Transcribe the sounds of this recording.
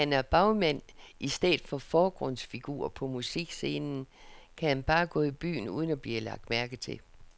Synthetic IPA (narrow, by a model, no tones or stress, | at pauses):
ænæɐb̥ɑ̈ʊmæn̰ʔisd̥ḛːð̩ˠfɒ̽fɒːɡ̥ʁɔn̰sfiɡ̥ṵːɐ̰pʰɒ̽musiɡ̥se̝ːnn̩kʰæhænb̥ɑ̈ːɡ̥ɔ̰̽ːib̥y̰ːn̩ṵːð̞ˠən̩æb̥liːlɑ̈ɡ̥̚d̥mæɐɡ̥ð̩t͡sʰe̝l